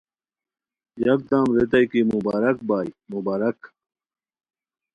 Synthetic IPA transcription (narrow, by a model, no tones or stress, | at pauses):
jɐk̚d̪aːmɾet̪ɐjkimubaːɾɐk̚baːjmubaːɾɐk